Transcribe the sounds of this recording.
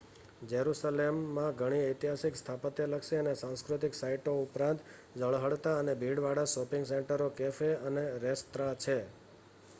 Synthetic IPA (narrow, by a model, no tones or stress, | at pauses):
d͡ʒəɾusalemːãɡʱəɽ̃iəjt̪iɦasɪkst̪ʰapət̪jeləkʃeənesãw̃skɾʊt̪ɪksaiʈoupɾãnt̪ | d͡ʒəɭɦəɽt̪aənebʱiɽʋaɽasɔpɪ̃ŋɡseɳʈəɾokefeəneɾest̪ɾat͡ʃʰe